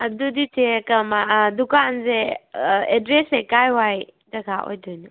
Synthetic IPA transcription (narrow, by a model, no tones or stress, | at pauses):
ɐduditʰekɐmadukanze | edɾesekajwajdɐɡaʔo̰jdɔjnu